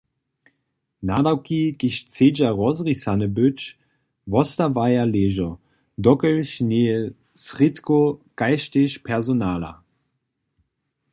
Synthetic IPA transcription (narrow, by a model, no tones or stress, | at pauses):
naːdawkikɪɕt͡seːd͡ʒaʁɔzʁisanəbʏt͡ʃ | vɔstavajaleːʒɔ | d̪ɔkəlʃneːə | sʁitkokaɪʃteʃpʰɛʁzonaːla̰